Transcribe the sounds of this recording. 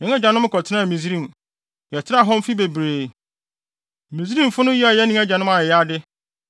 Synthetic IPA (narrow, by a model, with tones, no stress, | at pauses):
nɪ̃˨˦ɛ˦d͡ʑᶣa˨nʊ̃˦m˦kʰɔ˨tʰɪ˦nã˦˨mĩ˨zɾĩ˦˨m | jɛ˨tʰɪ˦na˦˨ɦɔ̃˦m˦fi˦be˨bɾeː˨ | mĩ˨zɾĩ˦m˨fʊ˦nʊ̃˦ji˦a˨jɛ˦nĩ˦ɛ˦d͡ʑᶣa˨nʊ̃˦ma˨˦a˦dɪ˦